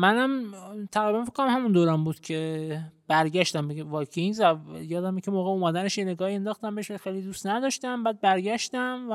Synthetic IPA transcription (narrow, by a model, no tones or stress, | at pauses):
mænæmt̪ʰæɣɾiːbænfe̥kʰːonæmhæmund̪oːɾæmbuːd̪̥cʰe̞b̥æɾɟæʃt̪æmbeɡvɒːkʰeinzæjɒːd̪æmicʲʰemoːɣeomæːd̪æneʃjeneɡɒːhie̞nd̪ɒːxt̪æmbeʃbexejlid̪uːst̪næd̪ɒːʃt̪æmbæːd̪̚bæɾɟæʃt̪æmv